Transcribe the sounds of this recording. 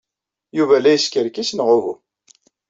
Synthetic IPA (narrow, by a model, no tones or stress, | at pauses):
juvælæjəskəɾkisnʁʊvu